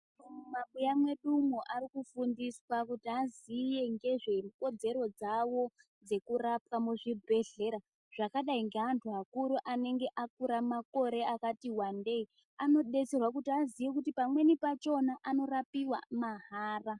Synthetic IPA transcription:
omumaɓujamwe̞ɗumoʔaɾikufundiswakutiazije̞ŋɡe̞ʐe̞ko̞d͡ze̞ɾo̞d͡zawo̞ | d͡ze̞kurap̚kamuʐibʱe̞ɮe̞ɾa | ʐ̥akaɗaiŋɡeɦantʰuɦakuɾuʔane̞ŋɡe̞ʔakuɾamako̞ɾe̞akatiwande̞i | ano̞ɗe̞t͡serwak̬utiazijekutipamwe̞nipat͡ʃo̞naʔano̞ɾapiwa̰maɦaːra

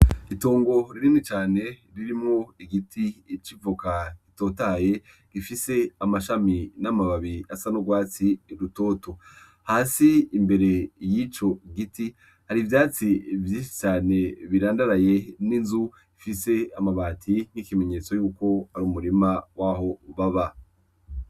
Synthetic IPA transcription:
itoːŋɡo̞ɾiɾinit͡ʃaːne̞ɾiɾimŋo̞iɡitʰit͡ʃivukakito̞ːtaje̞ | ɡ̥ifise̞amaʃaminamaβaβiasanoɡwaːt͡siɾuto̞ːto | haːsiːmbe̞ɾe̞jit͡ʃo̞ɡiti | haɾivjaːt͡sivjiːʃi̥t͡ʃaːne̞βiɾaːndaɾaje̞ninzu | ifise̞amaβaːtʰin̥ikime̞ɲe̞ːt͡so̞juːko̞haɾuːmuɾimawʔaɦo̞βaβa

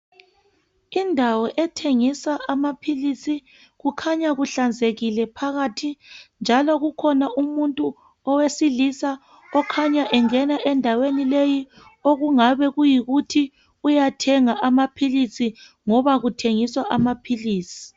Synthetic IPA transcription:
indʱawɔʔɛtʰeŋisaʔamapʰilisi | ɣukʰaɲaɣuɬand͡zʱeɣilɛpʰaɣatʰind͡ʒʱalɔɣukʰɔnaʔumuntʼu | ɔwesilisa | ɔkʰaɲaʔɛŋɛnaʔɛndʱawenileji | oɣuŋaβɛɣujiɣutʰi | ujatʰɛŋaʔamapʰilisi | ŋɔβaɣutʰeŋiswaʔamapʰiliːsi̥

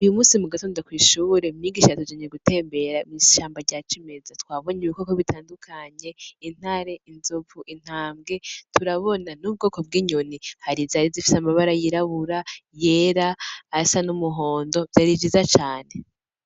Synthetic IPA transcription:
ujumuːsimuɡatoːndakwiːʃuːɾe̞miːɡiːʃaatud͡ʒaɲeɡute̞ːmbe̞ɾamiʃaːmbaɾɟaːt͡ʃime̞zatwaːβo̞ɲeβikokoβitaːndukʰaɲe̞in̥haɾe̞inzovuʔin̥haːmɡe̞tʰuɾaβo̞nanub̚ɡo̞ːko̞b̚ɡiːɲonihaɾizaɾizifi̥samaβaɾajiɾaβuɾaje̞ːɾaːsanumuɦo̞ːndo̞vjaɾid͡ʒizat͡ʃaːne̞

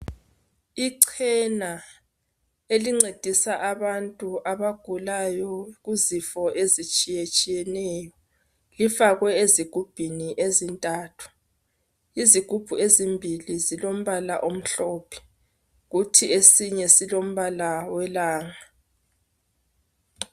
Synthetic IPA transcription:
iǀʰɛna | eliŋ͡ǀed̥ʱisaʔaβantʼuʔaβaɡ̥ʱulajɔɣuzifɔʔezit͡ʃʼijet͡ʃʼijɛnɛːjɔ | lifaɣwɛeziɡ̥ʱub̥ʱiniʔezintʼaːtʰu̥ | iziɡ̥ʱub̥ʱuezimbʱilizilom̩βalaʔom̩ɬɔːpʰɛ̥ | ɣutʰiesiɲɛsilom̩βalawɛlaːŋa

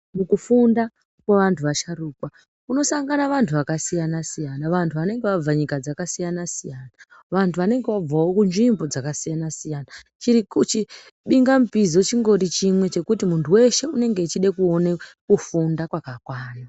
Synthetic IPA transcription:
mukufunda | kweʋantʰuʋaʃaruːkwa | uno̞saŋɡanaʋantʰuʋakasijanasijanaʋantʰuʋane̞ŋɡeʋab͡vaɲikad͡zakasijanasijana | ʋantʰuʋane̞ŋɡe̞ʋab͡vawo̞kunʐimbo̞d͡zakasijanasijana | t͡ʃiɾikut͡ʃi | ɓiŋɡamupizot͡ʃiŋɡo̞ɾit͡ʃimwe̞t͡ʃe̞kutimuntʰuwe̞ʃe̞une̞ŋɡe̞ːt͡ʃiɗekuo̞nekufundakwakakwaːjo

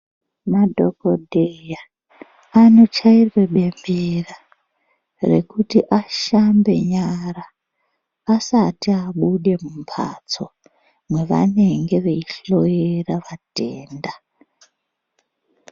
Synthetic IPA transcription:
madʱo̞̰ko̞dʱeja | ano̞t͡ʃairwe̞ɓe̞mbera | re̞̰kutiʔaʃambe̞̰ɲaɾaː | satiaɓuɗe̞mumpʰa̰t͡so̞ | mwe̞ʋa̰ne̞ŋɡe̞ʋeiɬo̞eraʋateːnda

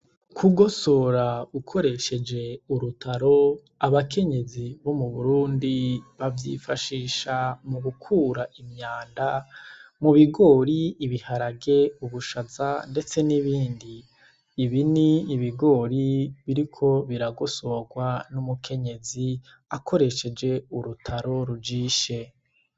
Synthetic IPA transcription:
kʰuɡo̞so̞ɾaukʰo̞ɾe̞ʃe̞d͡ʒe̞uɾutʰaɾo̞ | aβakʰe̞ɲe̞ziβo̞muβuɾuːndiβavjḭfaʃiːʃamuβukʰuːɾaʔimɲaːndamuβiɡo̞ːɾiːβihaɾaɡe̞uβuʃazande̞t͡se̞niβiːndiː | βiniːβiɡo̞ːɾiβiɾikʰo̞βiɾaɡoso̞ɡwanumukʰe̞ɲe̞zi | akʰo̞ɾe̞ʃe̞d͡ʒe̞uɾutʰaɾo̞ɾud͡ʒiːʃe̞

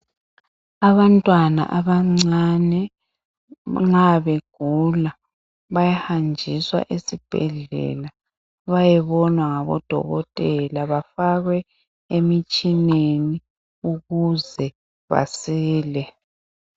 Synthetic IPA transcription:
aβantʼwana̰ʔaβaŋ͡ǀanɛ | ŋ͡ǁaβeɡ̥ʱula | βajahand͡ʒʱiswa̰ʔesib̥ʱɛ̰ɮɛ̰la | βajɛβɔnwaŋaβɔ̰d̥ʱɔ̰ɣɔtʼɛlaβafaɣwɛ | emit͡ʃʼineni | uɣuzɛ | βa̰siːlɛ

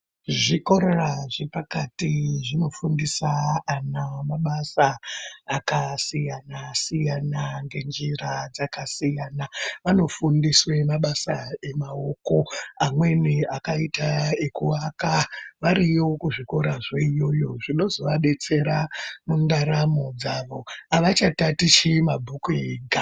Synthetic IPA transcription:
ʐiko̞ɾeraʐepakatiʐino̞fundisaanamaɓasaː | kasijanasijanaŋɡe̞nd͡ʒirad͡zakasijaːnaʋano̞fundiswe̞maɓasae̞mao̞ko̞amwe̞niakaitaekuakaʋaɾio̞kuʐiko̞ɾaʐeijo̞jo̞ʐino̞zo̞ʋaɓe̞t͡se̞ɾamundaɾamod͡zaʋo̞aʋat͡ʃatatit͡ʃemabʱukueɡʱa

